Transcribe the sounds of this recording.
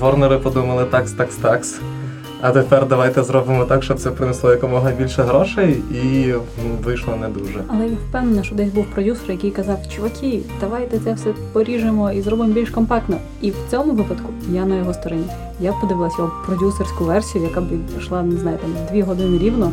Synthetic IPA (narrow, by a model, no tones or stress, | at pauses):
ʋɔrnɔɾɪpɔd̪umɐlˠɪt̪akst̪akst̪ɑks | ɐt̪epɛrd̪ɐʋajt̪ɛzɾɔbɪmɔt̪akʃt͡ʃɔt̪sɛpɾɪnɪslˠɔjʲɐkɔmɔɦɐbʲilʲʃɛɦɾɔʃɛjinuʋɪjʃlˠɐnɛd̪uʒɛɐlˠɛiwpɛwnenɐʃɔd̪ɛsʲbuwpɾɔdʲusɔrjɐkʲijkɐzɑwt͡ʃɔɔkʲʰejd̪̥ɐʋajt̪ɛt̪sɛwsɛpɔɾʲiʒemɔizɾɔbɪmbʲilʲʃkɔmpɑk̚t̪nɔ | iwt͡sʲɔmʊʋɪpɐd̪kʊjanɐjɔɦɔst̪ɔɾɔnʲi | japɔd̪ɪʋɪlˠɐsʲɐɔpɾɔdʲusɔrʲsʲkʊʋɛrsʲijʊjɐkabɪpʃlˠɑnɪznajʊt̪amd̪ʋʲiɦɔd̪ɪnɪɾʲiwnɔ